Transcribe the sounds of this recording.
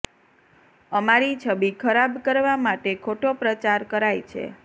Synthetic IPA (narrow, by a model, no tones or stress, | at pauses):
əmaɾit͡ʃʰəbikʰəɾabkəɾʋamaʈekʰoʈopɾət͡ʃaɾkəɾajt͡ʃʰḛ